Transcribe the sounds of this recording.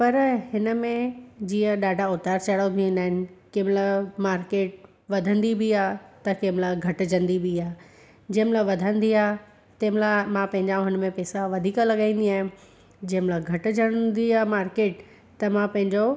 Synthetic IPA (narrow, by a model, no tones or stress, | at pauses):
pɐɾhɪnəmẽd͡ʑĩːə̃ɗaːɖʱaʊt̪aːɾt͡ɕɐɽot̪ʰĩə̃nd̪aːɦɪnɪ̆kemlamaːɾkeːʈ̚ | ʋɐd̪ʱə̃nd̪ibʱiaːt̪ɐkeːmlaɡʱɐʈd͡ʑʱə̃nd̪ibʱiaː | d͡ʑẽːmɪlaʋɐd̪ʱə̃nd̪iaː | t̪ɐːmɪlamãpɐ̃ɦɪ̃ɲd͡ʑaʊɦənɪ̆mẽpɛːsaʋɐd̪ʱiːklɐɠãĩːnd̪iaːɦj̃ẽ | d͡ʑeɦmlaɡʱɐʈɪ̆d͡ʑəɽ̃d̪iamaːɾkeːʈ | t̪ɐmãpɐ̃ɦɪ̃ɲd͡ʑo